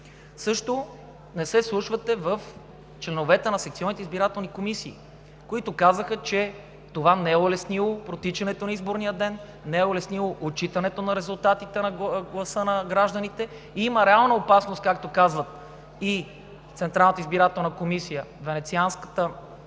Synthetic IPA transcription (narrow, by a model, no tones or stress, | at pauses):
sɤʃt̪o | nɛsɛslˠuʃvət̪ɛvəf | t͡ʃlɛnovɛt̪ɛnɐsɛkt̪iɔnit̪ɛizbiɾat̪ɛlˠnikomisiː | koit̪ʊkazəxət͡ʃɛ | t̪ovanɛɛolɛsnilˠopɾot̪it͡ʃɐnɛt̪onɐizboɾnijəd̪ɛnː | ɛɛolɛsnilˠoʔot͡ʃit̪ɐnɛt̪onɐɾɛzʊlˠt̪at̪it̪ɛnɡlˠɐsɤnɐɡɾaʒd̪ənit̪ɛ | iiməɾɛalˠnəopasnost̪̚kak̚t̪okazvət̪̚ | i | t̪sɛnt̪ɾalˠnət̪izbiɾat̪ɛlˠnəkomisijəvɛnɛt̪sianskə̥t̪ə